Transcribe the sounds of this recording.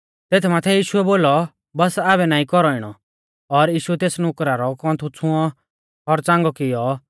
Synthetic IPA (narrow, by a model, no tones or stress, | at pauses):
t̪eːt̪ʰɛmaːt̪ʰɛjiːʃuɛboːlɔ | bɐsaːβɛnaːĩkɔɾɔɪɽ̃ɔ | ɔɾjiːʃuɛt̪eːsnʊkɾaɾɔkɔ̃ːt̪ʰut͡sʰʊ̃ɔ | ɔɾt͡sãːŋɡɔkɪjɔ